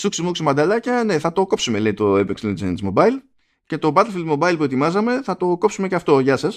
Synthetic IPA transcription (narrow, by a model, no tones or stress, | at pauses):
suksimuksimɐnd̪ɐlɐcɐne̞θɐt̪o̞ko̞psume̞le̞it̪o̞epekslind͡zenzmo̞bɐil | ce̞t̪o̞bɐt̪elfild̪mo̞bɐilpue̞t̪imɐzɐme̞θɐt̪o̞ko̞psume̞ceɐft̪o̞ʝɐsɐs